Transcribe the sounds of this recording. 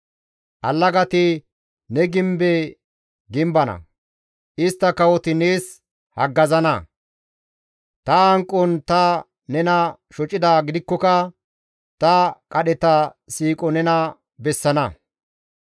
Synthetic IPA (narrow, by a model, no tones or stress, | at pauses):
ʔɐlːɐɡɐt̪ɪ | nɛɡɪmbe | ɡɪmbɐnɐ̰ | ʔɪst̪ːɐkɐwɔt̪ɪneːs | hɐɡːɐzɐnɐ̰ | t̪ɐɐŋkʼːɔnt̪ɐ | nɛnɐʃɔt͡ʃʼːɪd̪aːɡɪd̪ɪkːɔkɐ | t̪ɐkʼɐɗɛt̪ɐ | siːkʼɔnɛnɐ | bɛsːɐnɐ